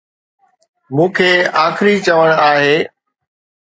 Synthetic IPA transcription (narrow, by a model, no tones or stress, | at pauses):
mũːkʰeːaːxɪɾit͡ɕəʋəɽ̃aːɦeː